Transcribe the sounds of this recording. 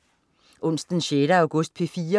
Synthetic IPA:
ʔɔ̽n̰sd̥n̩ɕeːɾ̥əɑʊɡ̥ɔsd̥̚pʰe̝fiːɐ

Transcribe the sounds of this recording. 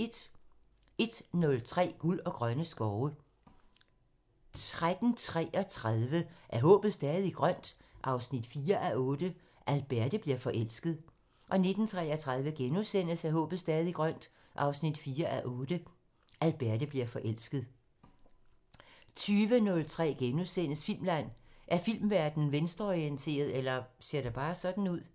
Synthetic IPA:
e̝d̥nɔ̽lt͡sʰʁɛ̰ːɡ̥ulɒ̽ɡ̥ʁɶnəsɡ̥ɒʊə | t͡sʁad̥n̩t͡sʰʁɛ̰ːʔɒ̽t͡sʰʁaðˠʋəʔæɐɦɔ̰̽ːb̥ð̩ˠsd̥ɛːðˠiɡ̥ʁɶn̰d̥ʔɑ̈ʊsnid̥fiːɐʔæʔɔ̽ːd̥ə | ʔælb̥æɐd̥əb̥liɐfɒ̽ʔel̰sɡ̥ð̞̩ˠ | ʔɒ̽ne̝d̥n̩t͡sʰʁɛ̰ːɐt͡sʰʁað̞ˠʋəɡ̥enusen̰əsæɦɔ̰̽ːb̥ð̞̩ˠsd̥ɛːðˠiɡ̥ʁɶn̰d̥ | ʔɑ̈ʊsnid̥fiːɐʔæʔɔːd̥ə | ʔælb̥æɐd̥əb̥liɐfɒ̽ʔel̰sɡ̥ð̞̩ˠ | t͡sʰyːʋənɔ̽lt͡sʰʁɛ̰ːɡ̥enusen̰əsfil̰mlæn̰ʔæɐfil̰mʋæɐd̥n̩ʋensd̥ɐɒient͡sʰe̝̰ːɐðˠelɐse̝ɐ̰ɾæb̥ɑ̈ːsɒ̽d̥n̩uð̞̰ˠ

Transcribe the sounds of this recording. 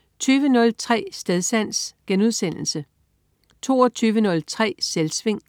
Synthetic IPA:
t͡sʰyːʋənɔ̽lt͡sʰʁɛ̰ːsd̥eð̞ˠsæn̰sɡ̥enuð̞̰ˠsen̰l̩sə | t͡sʰo̝̰ːɒt͡sʰyːʋənɔ̽lt͡sʰʁɛ̰ːselsʋe̝ŋ̰

